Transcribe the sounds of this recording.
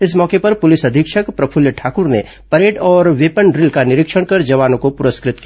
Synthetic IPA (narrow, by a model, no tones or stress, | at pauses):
ɪsmɔːkepɐɾpʊlɪsɐd̪ʱɪkʃəkpɾɐpʰʊljəʈʰaːkʊɾne | pɐɾeːʈɔːɾʋeːpənɾɪlkanɪɾɪkʃəɽ̃kɐɾd͡ʒɐʋaːnõkopʊɾəskɾɪt̪ki